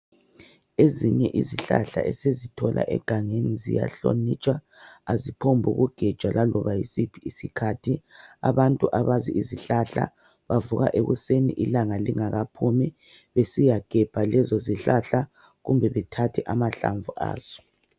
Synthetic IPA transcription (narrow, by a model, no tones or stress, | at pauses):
eziɲɛʔiziɬa̰ɬa̰ʔɛsezitʰɔlʔa̰ʔɛ̰ɡ̥ʱaŋenizḭja̰ɬo̰nit͡ʃʼwa | azipʰombʱuɣuɡ̥ʱɛ̥ʒ̥ʱwalalɔβajisipʰiisikʰatʰia̰βantʼuʔaβaziiziɬaɬa̰ | βavuɣa̰ʔeɣusenḭʔilaŋaliŋaɣapʰumi | βesijaɡ̥ʱɛb̥ʱalɛzɔziɬaɬa | ɣumbʱɛβɛtʰatʰiʔamaɬa̰ɱvuʔa̰ːz̥ɔ̥